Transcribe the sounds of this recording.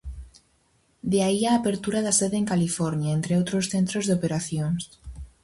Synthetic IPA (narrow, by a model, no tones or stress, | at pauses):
d̪eaiaːpeɾt̪uɾaðaseðeeŋkalifɔɾnjaent̪ɾeowt̪ɾosθent̪ɾozðeopeɾaθjoŋs